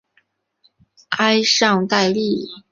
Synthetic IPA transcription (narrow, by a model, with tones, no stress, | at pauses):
ka˥ɪʂɑ˥˧ŋt̪a˥˧ɪli˥˩